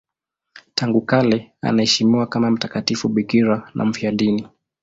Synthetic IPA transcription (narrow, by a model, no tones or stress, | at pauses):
tʰaŋɡukalɛa̰naɛʃimiwakamam̩takatifuɓikiɾanʔa̰m̩fiaɗini